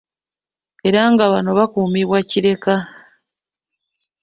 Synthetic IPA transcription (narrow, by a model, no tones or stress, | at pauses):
e̞ɾaŋɡaβano̞βakuːmiβwaciɾe̞ka